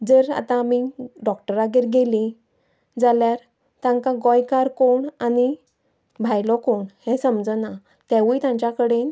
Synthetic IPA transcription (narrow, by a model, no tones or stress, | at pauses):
d͡zəɾa̰t̪ãmiɖɔkʈəɾaɡeɾɡeli | d͡zaljaɾ | t̪ãŋkaɡɔjkaɾkoɳani | bʱajlɔkoɳhɛ̃səmd͡zəna | t̪ɛ̃ʋujt̪ãɲt͡ɕjakəɽen